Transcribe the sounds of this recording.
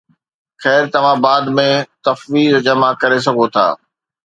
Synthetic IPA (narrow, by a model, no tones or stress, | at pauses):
xɛːɾt̪ɐʋ̤ãbaːd̪mẽt̪ɐfʋiːzd͡ʑɐmakɐɾes̬ɐɡʱot̪ʰa̰ː